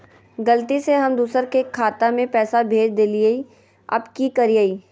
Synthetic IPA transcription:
ɡɐlt̪iseɦɐmd̪uːsəɾkekʰːaːt̪amẽpɛːsabʱeːd͡ʒd̪eːliei | ɐ̰bkikɐɾijaiː

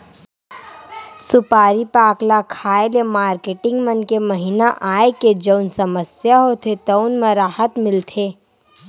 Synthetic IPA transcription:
sʊpaːɾipaːklakʰaːeljamaːɾkeːʈɪ̃ŋɡmɐnkemɐɦinaʔaːeked͡ʒəʊnsɐməsjaɦot̪ʰet̪ɔʊnmẽɾaːhət̪mɪlt̪ʰeː

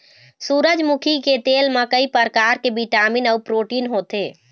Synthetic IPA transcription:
suːɾəd͡ʒmukʰiket̪eːlmekəipəɾkaːɾkebiʈaːminɔːpɾoːʈiːnɦoːt̪eː

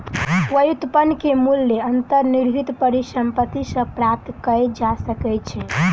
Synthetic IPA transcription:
pəjut̪ːəpənkemulːeənt̪əɾniɾɦit̪pəɾisəmpət̪isə̃pɾap̚t̪kəɛd͡ʒasəkɛt͡ʃʰɛ

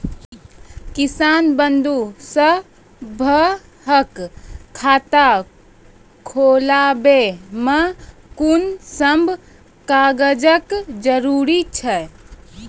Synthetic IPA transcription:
kisanbənd̪usə | bʱə | ɦəkʰː | aːt̪a | kʰolabemə | kunsəmbʱ | kaɡəd͡ʒəkd͡ʒəɾuɾit͡ʃʰɛ

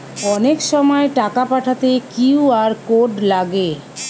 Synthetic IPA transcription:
ɔnekʃɔmɔeʈakapaʈʰat̪ekiwaɾkoɖlaɡe

